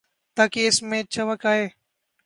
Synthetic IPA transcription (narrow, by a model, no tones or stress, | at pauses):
t̪aːkeːɪsmẽːt͡ʃʰəʋəkaːɦeː